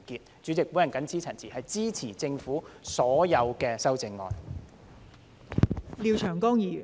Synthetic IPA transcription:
kiː˨t̚t͡ʃyː˨˥t͡sɪ˨k̚wu˨˥jɐ˨˩ŋkɐ˨˥nt͡sʰiː˥t͡sʰɐ˨˩nt͡sʰiː˨˩hɐ˨jt͡siː˥t͡sʰiː˨˩t͡sɪ˧ŋfuː˨˥sɔː˨˥jɐ˨˧wkɛː˧sɐ˥wt͡sɪ˧ŋːɔ̰ː˨˧n | liː˨˧wt͡ʃʰœː˨˩ŋkɔː˥ŋjiː˨˩jyː˨˩

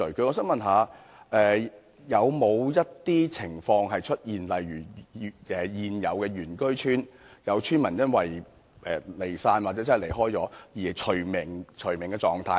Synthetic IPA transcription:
ɵ˨˩kɵ˧ŋɔː˨˧s̬œː˥ŋmɐ˨nɦaː˨˧ | ʔɛː˨˧ | jɐ˨˧wmo˨˧wjɐ˥t̚t̪iː˥t͡sʰɪ˨˩ŋfɔː˧ŋɦɐ˨jt͡ʃʰɵ˥t̚jiː˨nlɐ˨jɥyː˨˩˨ɛː˨jiː˨njɐ˨˧wkɛː˧ɥyː˨˩nkɵ˥ɥt͡ʃʰyː˥njɐ˨˧wt͡ʃʰyː˥nmɐ˨˩njɐ˥nwɐ˨j | ʔɛ˨le˨˩jsaː˧nwa˨t͡sɛ˨˥t͡sɐ˥˨le˨˩jɦɔː˥jt͡sɔː˨˥jiː˨˩t͡ʃʰɵ˨˩ɥmɪ˨˩ŋt͡ʃʰɵ˨˩ɥmɪ˨˩ŋkɛː˧t͡sɔː˧ŋt̪ʰaː˧

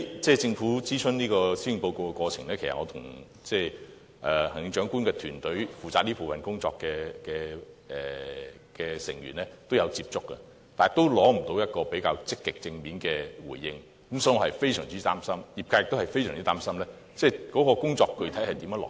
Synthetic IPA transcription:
t͡sɛː˥˩t͡sɪ˧ŋfuː˨˥t͡siː˥sʰɵ˥nniː˥kɔː˧si˥ji˨˩ŋpo˧wko˧wkɛ˧kʷwɔː˧t͡sʰɪ˨˩ŋlɛː˥kʰe˨˩sɐ̰˨ŋɔː˧t̪ʰʊ̰˨˩ŋ | t͡sɛː˧ | ʔɛː˨hɐ˨˩ŋjɪ˨˧ŋt͡ʃœː˨˥ŋkuː˥nkɛ˧t̪ʰyː˨˩nt̪ɵ˨˥ɥfuː˨t͡saː˧niː˥pʰo˨˩fɐ˨nkʊ˥ŋt͡sɔː˧kːɛː˧kɛː˧ɛ˨ | kɛː˧sɪ̰˨˩ŋjyː˨˩nlɛː˥t̪o˥wjɐ˨˧wt͡siː˧p̚t͡sʊ˥kːɛ̰˧ | t̪aː˨n˨t̪o˥wlɔː˨˥m̩˨˩t̪o˨˧wjɐ˥t̚kɔː˧pe˨˥jkaː˧wt͡sɪ˥kːɪ˨k̚t͡sɪ˧ŋmiː˨˥nkɛː˧wuː˨˩jːɪ˧ŋ | kɐ˨˦msɔː˨˥ŋɔ˨˧hɐ˨˩jfe˥jsœ̰ː˨˩ŋt͡siː˥t̪aː˥msɐ˥mjiː˨˩pkaː˧jɪ˨kt̪o˥hɐ˨jfe˥jsœ̰ː˨˩ŋt͡siː˥t̪aː˥msɐ˥mlɛː˥ | t͡sɛː˥˧kɔː˨˥kɔː˧kʊ˥ŋt͡sɔː˧kːɵ˧ɥt̪ʰɐ˨˥jhɐ˨jt̪i˨˥mjːlɔ̰ː˨

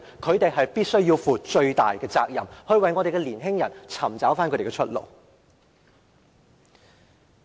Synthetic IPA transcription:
kʰɵ˨˧ɥt̪e˨jɦɐ˨jpiː˥t̚sɵ˥ɥjiː˧wfuː˨t͡ʃɵ˧ɥt̪a̰ː˨jkɛː˧t͡saː˧k̚jɐ˨mhɵ˧ɥwɐ˨jŋɔ˨˧ɾe˨jkɛ˧liː˨˩nɦɪ˥ŋjɐ˨˩nt͡sʰɐ˨˩mt͡saː˨˥wfaː˥nkɵ˨˧te˨˩kɛ˧ɵ˥t̚lo̰˨˩w

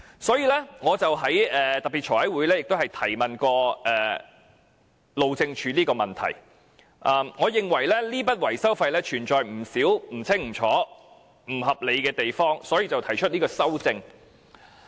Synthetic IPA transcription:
sɔː˨˥jiː˧lɛː˥ŋɔː˨˧t͡sɐ˨wɦɐ˨˥jɛː˨t̪ɐ˨k̚pi˨˩t͡ʃʰɔː˨˩ɐ˨˥jwu˨˥jlɛː˥jɪ˨k̚t̪whɐ˨jt̪ʰɐ˨˩jmɐ˨nkɔː˧ʔɛː˨˩ | lo˨wt͡sɪ˧ŋt͡ʃʰyː˨˧˥niː˥kɔː˧mɐ˨nt̪ʰɐ̰˨˩j | ʔɐː˨˩mŋɔː˨˧jɪ˨ŋwɐ˨˩jlɛː˥liː˥pɐ˥t̚wɐ˨˩jsɐ˥wfɐ˧jlɛː˥t͡ʃʰyː˨˩nt͡sɔː˨jm̩˨˩siː˨˥wm̩˨˩t͡sʰɪ˥ŋm̩˨˩t͡ʃʰɔː˨˥ | m̩˨˩ɦɐ˨p̚le˨˧jkɛː˧t̪e˨jfɔː˥ŋsɔː˨˥jiː˧t͡sɐ˨wt̪ʰɐ˨˩jt͡ʃʰɵ˥t̚niː˥kɔː˧sɐ˥wt͡sɪ˧ŋ

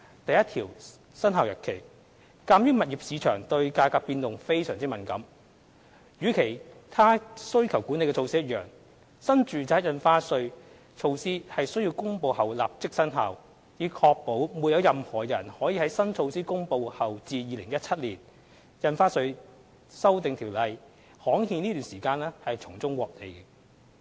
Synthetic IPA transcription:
t̪ɐ˨jɐ˥t̪ʰiː˨˩w | sɐ˥nɦaː˨wjœ˨˩tkʰe˨˩j | kaː˧mjyː˥mɐ˨t̚jiː˨p̚siː˨˧˥t͡ʃʰœː˨˩ŋt̪ɵ˧ɥkaː˧kaː˧piː˧nt̪ʊ˨ŋfe˥jsœː˨˩ŋt͡si˥mɐ˨˩nkɐ˨˥m | jyː˨˥kʰe˨˩jt̪ʰaː˥sɵ˥ɥkʰɐ˨˩wku˨˥ne˨˧jkɛ˧o˧wsiː˥jɐ˥t̚jœː˨ŋ | sɐ˥nt͡ʃyː˨t͡saː˨˥jɐ˨˧nfaː˥sɵ˧ɥ | t͡ʃʰo˧wsiː˥hɐ˨jsɵ˥ɥji˧wkʊ˥ŋpo˧whɐ˨wla̰ː˨p̚t͡sɪ˥k̚sɐ˥nɦɐ˨w | jiː˨˧kʰɔː˧k̚po˨˥wmuː˨˧t̚jɐ˨˧wjɐ˨mhɔː˨˩jɐ˨˩nhɔː˨˥jiː˧hɐ˨˥jsɐ˥nt͡ʃʰo˧wsiː˥kʊ˥ŋpo˧whɐ˨wt͡siː˧jiː˨˧lɪ˨˩ŋjɐ˥t̚t͡sʰɐ˥t̚liː˨˩n | jɐ˨nfaː˥sɵ˧ɥ | sɐ˥wt̪ɪ˨ŋt̪ʰiː˨˩wlɐ˨˧j | hɔː˨˥ŋhiː˧niː˥t̪yː˨nsiː˨˩kaː˧nlɛː˥hɐ˨jt͡sʰʊ˨˩ŋt͡sʊ˥ŋwɔː˨k̚ne˨˧jkɛ˧

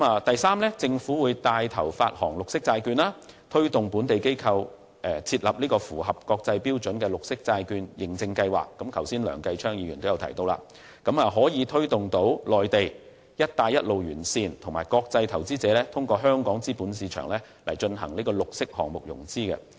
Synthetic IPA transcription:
maː˨t̪ɐ˨jsaː˥mlɛ˥t͡sɪ˧ŋfuː˨˥wuː˨˧jt̪aː˧jt̪ʰɐ˨˩wfaː˧t̚hɔ̰ː˨˩ŋlʊ˨k̚sɪ˥k̚t͡saː˧jkyː˧nlaː˥t̪ʰɵ˥ɥt̪ʊ˨ŋpuː˨˥nt̪e˨jke˥jkʰɐ˧w | ʔɛ˨t͡sʰiː˧t̚lɐ˨p̚niː˥kɔː˧fuː˨˩ɦɐ˨˩p̚kɔː˧k̚t͡sɐ˧jpiː˥wt͡ʃɵ˨˥nkɛː˧lʊ˨k̚sɪ˥k̚t͡saː˧jkyː˧njɪ˨˩ŋt͡sɪ˧ŋkɐ˧jwa̰ː˨˩kːɐ˨˥mkʰɐ˨˩wsiː˥nlœ̰ː˨˩ŋkɐ˧jt͡ʃʰœː˥ŋjiː˨˧jyː˨˩nt̪o˥wjɐ˧wt̪ʰjt̪o˧wla̰ː˧˩ | kɐ˨˥maː˨ɦɔː˨˥jiː˨˧t̪ʰɵ˥ɥt̪ʊ˨ŋt̪o˨˥wlɔː˨jt̪e˨j | jɐ˥t̚t̪aː˧jɐ˥t̚lo˨wjyː˨˩nsiː˧nt̪ʰʊ˨˩ŋmaː˨˩jkɔː˧k̚t͡sɐ˧jt̪ʰɐ˨˩wt͡siː˥t͡sɛː˨˥lɛː˥t̪ʰʊ˥ŋkɔː˧ɦœː˥ŋkɔː˨˥ŋt͡siː˥puː˨˥nsiː˨˧t͡ʃʰœ̰ː˨˩ŋlɛ˥ | lɐ˨˩jt͡ʃɵ˧nɦɐ̰˨˩ŋliː˥kɔː˧lʊ˨k̚sɪ˥k̚hɔ̰ː˨˩ŋmʊ˨k̚jʊ̰˨˩ŋt͡siː˥kɛ̰˧

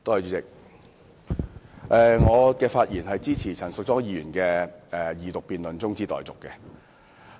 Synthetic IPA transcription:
t̪oː˥hjt͡ʃyː˨˧t͡sɪ˨k̚ | ʔɛː˧ŋɔː˨˧kɛː˧faː˧t̚jiː˨˩nɦɐ˨jt͡siː˥t͡sʰiː˨˩t͡sʰɐ˨˩nsʊ˨k̚t͡sɔː˥ŋjiː˨˧jyː˨˩nkɛː˧ɛ˧jiː˨t̪ʊ˨k̚piː˨nlɵ˨nt͡sʊ˥ŋt͡siː˥t̪ɔ̰ː˨˩jt͡sʊ˨kːɛː˧

